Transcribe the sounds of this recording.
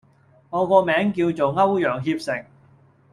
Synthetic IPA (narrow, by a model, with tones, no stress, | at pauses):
ŋɔː˨˧kɔː˧mɛː˨˥ŋkiː˧wt͡so˨wŋɐ˥wjœː˨˩ŋɦiː˧p̚sɪ˨˩ŋ